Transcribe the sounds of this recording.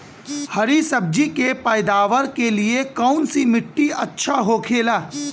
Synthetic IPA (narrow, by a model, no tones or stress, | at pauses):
hɐɾisɐb̚d͡ʒikepɐɪd̪aːʋəɾkeliekɐʊnsimɪʈːiɐtːʃʰaɦokʰeːlaː